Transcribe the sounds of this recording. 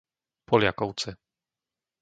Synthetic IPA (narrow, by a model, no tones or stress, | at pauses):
pɔljakɔw̪sɛ